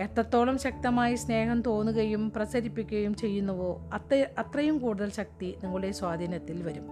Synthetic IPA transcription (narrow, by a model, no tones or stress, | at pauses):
e̞t̪ːɐt̪ːo̞ːɭɐmɕɐk̚t̪ɐmaːjisne̞ːɦɐmt̪o̞ːnːuɣɐjumprɐsɐɾipːikʲːuɣɐjumt͡ɕe̞jːunːɐʋoːɐɐt̪rɐjumkuːɽuðɐlɕɐk̚t̪iniŋːɐɭuɽe̞swaːd̪ʱiːnɐt̪ːilʋɐɾum